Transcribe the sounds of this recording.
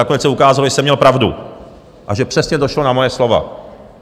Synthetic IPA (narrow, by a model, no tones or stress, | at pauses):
akonɛt͡ssɛukaːzaloʒɛsɛmɲɛlpɾavdṵ | ʔaʒɛpr̥ɛsɲɛdo̞ʃlo̞namojɛslo̞va̰